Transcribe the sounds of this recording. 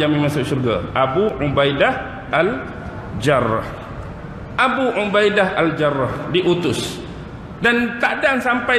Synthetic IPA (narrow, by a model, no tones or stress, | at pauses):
aminmasʊʔʃurɡaʔabuʕubajdah | ʔal | d͡ʒar̰h | ʔabuʕubajdahald͡ʒarːɔhdiʔut̪ʊs | dant̪aʔdaŋsampa